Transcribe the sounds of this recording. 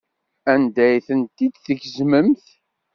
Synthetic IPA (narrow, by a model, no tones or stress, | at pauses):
ænd̪æjθənt̪id̪θəʝzməmθ